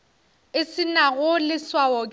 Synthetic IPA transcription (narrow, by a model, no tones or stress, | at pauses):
ɪsɪnaɣʊlɪswaɔkʼ